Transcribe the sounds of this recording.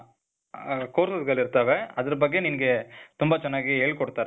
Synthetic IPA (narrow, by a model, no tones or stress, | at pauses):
koːɾsɐðɣɐɭɪɾɯt̪ːaːʋɐɐðɐɾp̬ɐɣeniːŋɡɐt̪ʊmbaːt͡ʃɐnːaːɣeeːɭkɔɽɯt̪ːaːɾ